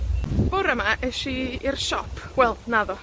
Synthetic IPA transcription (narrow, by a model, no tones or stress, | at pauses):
b̥oɾəmaʔɛʃiirʃɔpʰwɛlˠdnaðɔ